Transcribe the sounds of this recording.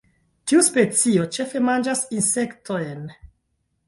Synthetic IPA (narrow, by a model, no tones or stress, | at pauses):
tiuspe̞t͡sio̞t͡ʃe̞fe̞mand͡ʒasinse̞ktʰo̞jn